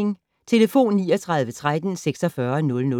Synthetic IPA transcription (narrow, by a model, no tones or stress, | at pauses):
ŋ | t͡sʰe̝ləfo̝̰ːnːiːɒ̽t͡sʰʁɑ̈ð̞ˠʋət͡sʰʁad̥n̩seɡ̥sɒ̽fɶːɐnɔ̽lnɔ̽